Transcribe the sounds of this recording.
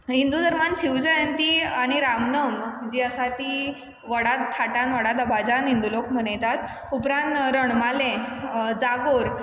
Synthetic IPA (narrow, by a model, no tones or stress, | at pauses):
ɦind̪ud̪ʱəɾmanɕiwd͡ʑəjənt̪iːaɽ̃iɾamnəmd͡ʑiːəsat̪iː | ʋəɽat̪t̪ʰaʈãnʋəɽat̪əbad͡ʑanɦind̪ulokʰm̤ənəjt̪at̪ | upɾãnt̪ɾəɳ̃malẽd͡zaɡoɾ